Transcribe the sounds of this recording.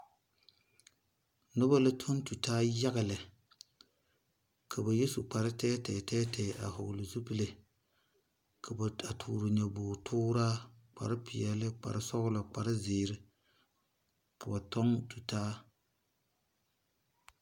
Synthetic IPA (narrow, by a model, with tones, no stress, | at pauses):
nʊ˦ba˦la˦tʰo˦n˦tu˨taː˦ja˦ɣa˨lɪ˨ | kʰa˨ba˨je˦su˨k͡pa˨ɾɪ˦tɛː˦tɛː˨tɛː˦tʰɛ˨ʔa̰˨hʊ˨ɡʊ˨lɪ˨zu˦pɨ˦le˨ | kʰa˨ba˨a˨tʰṵː˨ɾɨ˨ɲɛ˨bʊː˨tʰʊː˦ɾa˦k͡pa̰˨ɾɪ˦pɪ˨jɛ˨lɪ˦k͡pa̰˨ɾɪ˦sɔ˦ɣʊ˦la˨k͡pa˨ɾɪ˦zeː˨ɾɪ˦ | ka˨ba˨tɔ˦ŋtu˨taː˦